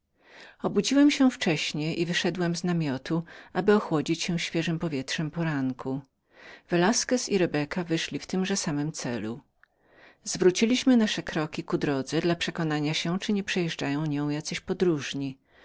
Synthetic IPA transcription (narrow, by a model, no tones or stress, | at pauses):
ɔbud͡ʑiwɛmɕɛft͡ʂɛɕɲɛʔivɘʂɛd̪wɛmznamʲjɔt̪uabɘɔxwɔd͡ʑit͡ɕɕɛ̃ɕfʲjɛʐɘmpɔvʲjɛtʂɛmpɔɾaŋkʰu | vɛlaskɛsiɾɛbɛkavɘʂlʲift̪ɘmʐɛsamɘmt̪sɛ̰lṵ | zvɾut͡ɕilʲiɕmɘnaʂɛkɾɔkʲikud̪ɾɔd̪zɛd̪lapʂɛkɔnaɲaɕɛ̃t͡ʂɘɲɛpʂɛjɛʐd͡ʐajɔ̃w̃ɲɔ̃w̃jat̪sɛɕpɔd̪ɾuʐɲi